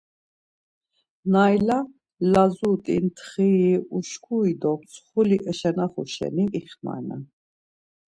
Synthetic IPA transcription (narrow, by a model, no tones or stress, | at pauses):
najla | lazut̪ʼḭnt̪ʰχiuʃkʰuid̪ɔpsʰχuliʔəʃɛnaχṵʃɛ̰niʔiχma̰na